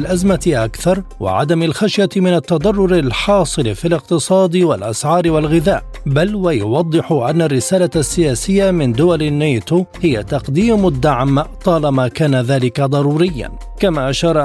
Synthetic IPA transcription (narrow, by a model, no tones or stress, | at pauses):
lʔazmaʔakθɑɾˤwa̰ʕa̰d̪amalxaʃjamɪnat̪ːɑd̪ˤɑrˤːʊɾalħɑːsˤɨlfiːlɪq̚t̪ɨsˤɑːd̪ɪwalʔasʕɑːɾɪwalɣɪðaːʔ | balwajʊwɑd̪ˤːɨħʊʔanːarːɪsaːlasːɪjaːsɪjːamɪnd̪ʊwalɪnːeːt̪uhɪjat̪ɑqd̪iːmʊd̪ːaʕmt̪ˤɑːlamaːkaːnaðaːlɪkad̪ˤɑɾˤuːɾɪjːa̰n | kamaːʔaʃɑːɾˤ